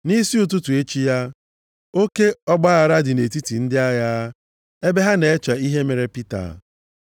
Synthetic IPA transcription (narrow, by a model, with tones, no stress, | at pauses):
ni˦si˦u˨t̬u˦tu˨e˦t͡ʃi˦ja˦ | o˦ke˦ɔ˦ɡ͡ba˦a˨ɾa˦dɪ˨ne˨t̬i˦ti˨n̩˦dɪ˦a˦ja˦ | e˦be˦ɦa˦ne˨e˦t͡ʃa˨i˦ɦe˦me˨ɾe˨pi˦ta̰˨